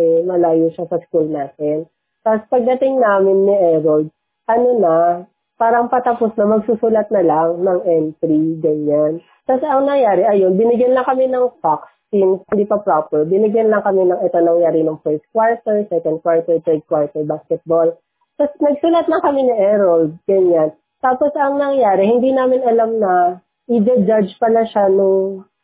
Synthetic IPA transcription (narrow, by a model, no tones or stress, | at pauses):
ɛmɐlaːjuʃasɐskulnaːt̪ɛn | t̪aspɐɡ̚d̪ɐt̪ɪŋnaːmɪnːiʔɛɾold̪̚ | ʔɐnonɐ | paːɾɐŋpɐt̪ɐposnɐmɐɡ̚susuːlɐt̪̚nɐlaŋnɐŋʔɛnt̪ɾiɡɐɲːan | t̪asɛɐŋnɐŋjaːɾɛʔɐjo̞nbɪnɪɡjɐnlɐŋkɐmɪnɐŋfaksːinshɪnd̪iːpɐpɾopɛɹbɪnɪɡjɐnlɐŋkɐmɛnɐŋɛt̪onɐŋjaːɾɪnɐŋfɛɹt̪̚kwaɹt̪ɛɹsɛkɛnd̪̚kwaɹt̪ɛɹt̪ɛɹd̪̚kwaɹt̪ɛɹbaskɛt̪̚bol | t̪ɐsnɐɡ̚suːlɐt̪lɐŋkɐmɪnɐŋʔɛɾɐld̪̚ɡɐɲan | t̪aːpo̞sɐŋnɐŋjaːɾɛhɪnd̪inaːmɪnɐlamnɐ | ʔɪd͡ʒ̪ɐd͡ʒad͡ʒpɐlaʃanʊŋ